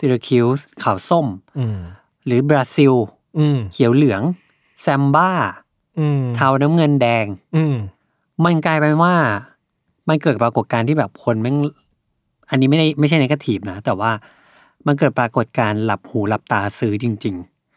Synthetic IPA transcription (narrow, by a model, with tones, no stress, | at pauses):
si˧ɾa˧kʰi˧˥wkʰa˨˩wso˥˩m | ɾɯː˩˦bɾaː˧si˧w | kʰi˨˩˦wlɯ˨˩˦əŋ | sɛ˧mbaː˥˩ | t̪ʰaː˧wna˦˥mŋɤ˧ndɛː˧ŋ˧ | ma˧nkaː˧jpa˧jwaː˥˩ | ma˧nkɤː˨˩t̪̚pɾaː˧ko˨˩t̪̚kaː˧nt̪ʰiː˥˩bɛː˨˩p̚kʰo˧nma˥˩ | ʔa˧nːi˦˥ma˥˩jda˥˩jma˥˩jt͡ɕʰa˥˩jna˦˥ka˧˩t̪ʰiː˨˩p̚na˦˥t̪ɛː˨˩waː˥˩ | ma˧nk̬ɤː˨˩t̪̚pɾaː˧ko˨˩t̪̚kaː˧nla˨˩p̚huː˨˩˦la˨˩p̚t̪aː˧sɯː˦˥t͡ɕi˧ŋt͡ɕi˧ŋ